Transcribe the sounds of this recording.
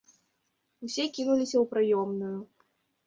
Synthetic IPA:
usʲɛkʲinulʲisʲɐwpɾɨjɔmnuju

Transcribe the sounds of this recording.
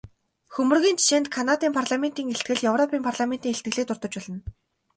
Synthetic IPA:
xɵmɵ̆rɣʲiːnt͡ɕʰi̥ʃeːnt̪kʰanat̪iːmpʰarɮament̪iːŋeɬt̪̚ɡɘ̆ɮjɵwrɔpʰiːmpʰarɮament̪iːŋxeɬt̪̚ɡɘ̆ɮiːkt̪ʊrt̪ɞ̆t͡ɕpɔɮɞ̆n

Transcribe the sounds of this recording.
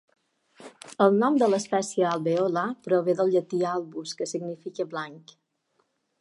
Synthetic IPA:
əlˠnɔmd̪ələspɛsiəalˠβeolapɾoβeðəlˠʎət̪ialˠβuskəsiɡnifikəblaŋk

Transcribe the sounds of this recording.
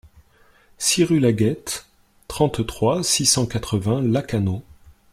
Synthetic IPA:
siʁylaɡɛt̪ː | χɑ̃t̪t̪χwasisɑ̃kat̪χəvɛ̃lakano

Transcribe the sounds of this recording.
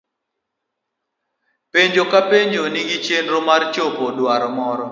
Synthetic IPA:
peɲd͡ʒokapeɲd͡ʒoniɡit͡ʃenɾomart͡ʃopodwaɾɔmɔɾɔ

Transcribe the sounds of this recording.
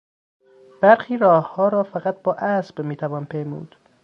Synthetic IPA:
b̥æɾxiːɾɒːhhɒːɾɒːfæɣæt̪̚bɒːʔæsb̥miːt̪ʰævɒːnpʰejmṵːd̪̥

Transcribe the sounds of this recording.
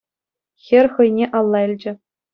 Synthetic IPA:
xʲɘ̆rʲχɤ̆jnʲeʔɑlˠːɑilʲd͡ʑɘ̆

